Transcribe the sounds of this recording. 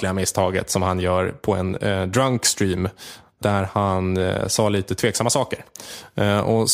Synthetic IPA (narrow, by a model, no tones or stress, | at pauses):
lɪɡamɪst̪ʰɑːɡə̰t̪sɔmhanjœːɾpʰɔɛ̰nd̪ɾaŋkst̪ɾiːm | d̪æɾhansɑːliːt̪ət̪ʰveːksamːasɑːkəɾ | ɔ